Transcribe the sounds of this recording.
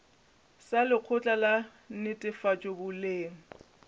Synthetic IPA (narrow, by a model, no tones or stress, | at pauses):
salɪq͡χʰʊt͡ɬʼala | nɪtʼɪfat͡ʃʼobʊleːŋ̩